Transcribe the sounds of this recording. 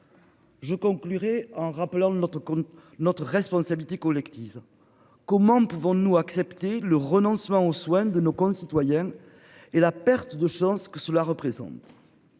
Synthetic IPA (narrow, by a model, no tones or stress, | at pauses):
ʒəkɔ̃ŋklyʁeɑ̃ʁapəlɑ̃n | nɔt̪χəʁɛspɔ̃sabilit̪ekɔlɛkt̪iv | kɔmɑ̃puvɔ̃nuaksɛpt̪eləʁənɔ̃səmɑ̃oswɛ̃d̪ənokɔ̃sit̪wajɛ̃ | elapɛʁt̪əd̪əʃɑ̃skəsəlaʁəpχezɑ̰̃t̪